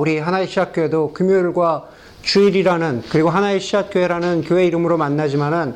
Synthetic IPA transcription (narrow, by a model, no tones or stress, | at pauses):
uɾiɦanaeɕʰid͡ʑak̚k͈oe̞dokumjuɭɡwa | t͡ɕuiɾiɾanɯnkɯɾiɡoɦanaeɕʰid͡ʑak̚k͈oeɾanɯnkjowe̞iɾɯmɯɾomanːad͡ʑimanɯn